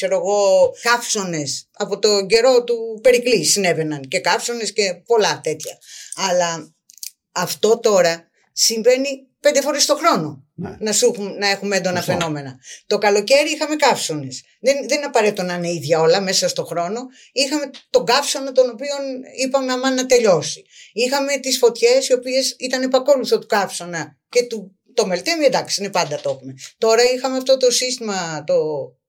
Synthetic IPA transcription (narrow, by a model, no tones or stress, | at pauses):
kse̞ɾoeɣo̞kɐfso̞ne̞sɐpo̞t̪o̞ɟe̞ɾo̞t̪upe̞ɾiklisine̞ve̞nɐnce̞kɐfso̞ne̞sce̞po̞lɐt̪e̞t̪çɐɐlɐː | ft̪o̞t̪o̞ɾɐ | siɱve̞ni | pe̞nd̪efo̞ɾest̪o̞xɾo̞no̞ | nɐsuxumnɐe̞xumeend̪o̞nɐfe̞no̞me̞nɐt̪o̞kɐlo̞ce̞ɾiixɐme̞kɐfso̞ne̞s | ðenðe̞ninɐpɐɾe̞t̪et̪onɐineiðʝɐo̞lɐme̞sɐst̪o̞xɾo̞no̞ | ixɐme̞t̪o̞ɡɐfso̞nɐt̪o̞no̞pio̞nipɐmeɐmɐnːɐt̪e̞ʎo̞si | ixɐme̞t̪isfo̞t̪çe̞sio̞pie̞sit̪ɐne̞pɐko̞luθot̪u̥kɐfso̞nɐ | ce̞t̪u | t̪o̞melt̪emied̪ɐksiinepɐnd̪ɐt̪o̞xume̞t̪o̞ɾɐixɐmeɐft̪o̞t̪o̞sist̪imɐt̪o̞